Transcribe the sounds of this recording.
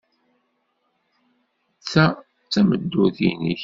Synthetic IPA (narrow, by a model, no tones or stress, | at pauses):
t͡sːæ | t͡sːæməd̪ːuθḭnḭç